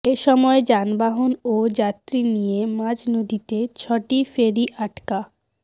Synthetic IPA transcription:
eʃɔmɔed͡ʑanbaɦonod͡ʑat̪ɾinijemãd͡ʑnod̪it̪et͡ɕʰɔʈifeɾiʔaʈka

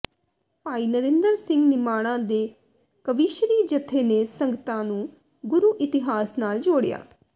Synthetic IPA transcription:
paːiːnəɾẽnd̪əɾsɪ̃ŋɡnɪmaːɽ̃ãːd̪eː | kəʋɪʃɾiːd͡ʒət̪ʰːeːneːsəŋɡət̪ãːnũː | ɡʊɾuːʔɪt̪ɪɦaːsnaːld͡ʒoːɽja̰ː

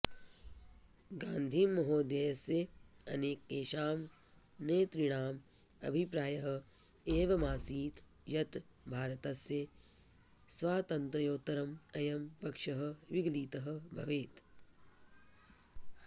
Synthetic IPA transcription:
ɡãːnd̪ʱiːmːɐɦoːd̪jeːjɐsjeɐ̰neːk̚eːʃaːm | neːt̪ɾiɽ̃aːm | ɐ̰bʱipɾaːjɐɦɐ̆ | eːʋɐmaːsiːt̪ | jɐt̪ | bʱaːɾɐt̪ɐsje | sʋaːt̪ɐnt̪ɾɐjoːt̪ɐɾɐmɐjɐmpɐkʃɐɦɐ̆ʋiɡliːt̪ɐɦɐ̆bʱɐ̰ʋeːt̪

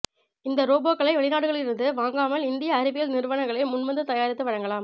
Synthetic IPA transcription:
ɪnd̪ɐɾoːboːkːɐɭɐɪʋɛɭɪnaːɽɯɣɐɭɪɾɯnd̪ɯʋaːŋɡaːmɐlɪnd̪ɪjɐːɾɯbɪjɐlnɪɾɯʋɐɳɐŋɡɐɭɐɪmʊnmɐnd̪ɯt̪ɐjaːɾɪt̪ːɯʋɐɻɐŋɡɐlaːm

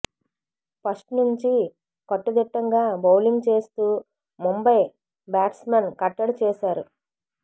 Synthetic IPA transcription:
pɐsʈnuɲt͡ʃi | kɐʈːɐd̪iʈːɐŋɡaːbɐwliŋɡt͡ʃe̞ːst̪uː | mumbɐj | baːʈsmɐnkɐʈːɐɽut͡ʃɛːʃaːɾu

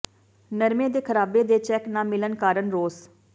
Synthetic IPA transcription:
nəɾmẽːd̪eːkʰəɾaːbeːd̪eːt͡ʃɛːknãːmɪlənkaːɾənɾoːs

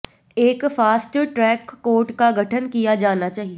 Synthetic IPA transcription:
eːkfaːsʈʈɾɛːkːoːɾʈkaɡʱɐʈʰənkijad͡ʒaːnat͡ʃaːɦie

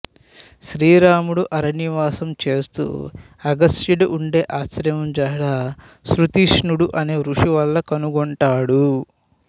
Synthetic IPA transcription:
ʃɾiːɾaːmuɽuʔɐɾɐniʋaːsɐmt͡ʃe̞ːst̪ṵː | ɐɡɐsʈjiɽiʔuɳɖe̞ːʔaːsɾɐmɐmd͡ʒɐːɽa | sɾut̪iʂɳuɽuʔɐneːɾuʂiʋɐlːɐkɐnuɡɔɳʈaːɽu

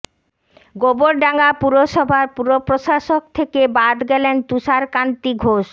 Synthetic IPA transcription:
ɡoboɾɖaŋapuɾoʃɔbʱaɾpuɾopɾoʃaʃok̚t̪ʰekebad̪ɡɛlent̪uʃaɾkant̪iɡʱoʃ

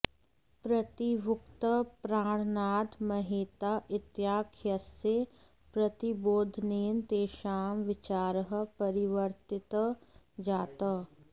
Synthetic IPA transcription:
pɾɐt̪iʋʊkt̪əpɾaːɽ̃naːt̪mɐɦeːt̪aʔɪt̪jaːkʰjəse | pɾɐt̪iboːd̪ʱneːnt̪eːʃaːmʋɪt͡ʃaːɾəɦəpɐɾɪʋəɾt̪ɪt̪ | d͡ʒaːt̪ə

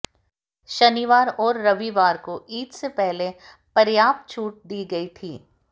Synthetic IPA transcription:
ʃɐniːʋaːɾɔːɾːɐʋiʋaːɾkoʔiːd̪sepɛɦle | pɐɾjaːpt͡ʃʰuːʈ̚d̪iːɡɐit̪ʰḭː

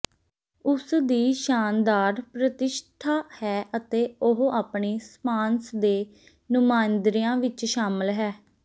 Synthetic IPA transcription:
ʊsd̪iːʃaːnd̪aːɾpɾət̪ɪʃt̪ʰaːhɛːʔət̪eːʊɦaːpɳiːspaːnsd̪eː | nʊmaːnd̪ɾiːjãːʋɪt͡ʃʃaːmɪlɦɛː

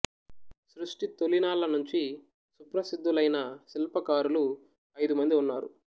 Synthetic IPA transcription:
sɾuʂʈit̪olinaːlɐnuɲt͡ʃi | supɾɐsid̪ʱːulɐjnɐsilpɐkaːɾulu | ɐjd̪umɐnd̪iunːaːɾṵ

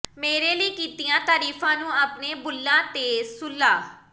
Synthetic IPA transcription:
meːɾeːləiːkiːt̪ijãːt̪aːɾiːfʰãːnũːaːpneːbʊlːãːt̪eːsʊlːaː

